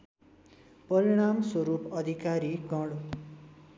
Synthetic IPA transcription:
pʌɾiɽ̃amswʌɾupʌd̪ʱikaɾiɡʌɽ

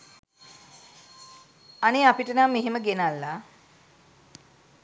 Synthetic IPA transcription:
aneapiʈənamːeɦeməɡenalːa

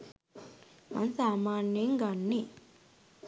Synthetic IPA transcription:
ma̰nsaːmaːɳjeŋɡaɳːi

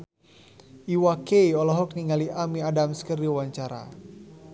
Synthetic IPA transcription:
ʔiwakeiɔlɔɦɔk̚niŋaliʔamiadamskərdiawaɲt͡ʃaɾa̰

